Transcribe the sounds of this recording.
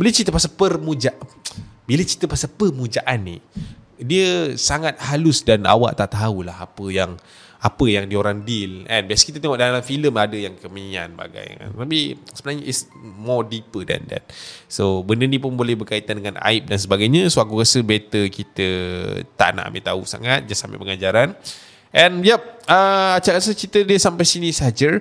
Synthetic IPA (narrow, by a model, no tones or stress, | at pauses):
bələt͡ʃit̪əpasapərmũd͡ʒaʔbilət͡ʃit̪əpasapərmũd͡ʒaʔanːi | diəsaŋat̪̚halʊsdana̰wa̰ʔt̪aʔt̪aulahapəjaŋ | apəjaŋdioɾaŋdilɛnbiasəkit̪ət̪eŋɔʔdalamfiləmadəjaŋkəmia̰nba̰ɡa̰ja̰t̪apisəbənaŋɲaʔismɔdipəda̰nda̰nsobəndənĩp̬ʊnbolɛhbərkait̪andəŋana̰ip̚dansəbaɡajɲasoakuɣasəbet̪əkit̪ət̪a̰ʔna̰ʔa̰mḭʔt̪ausa̰ŋat̪̚d͡ʒasama̰ʔpəŋad͡ʒaɾan | ʔɛ̃njɛp̚əat͡ʃaɾasət͡ʃit̪ədiəsampajsinisəd͡ʒə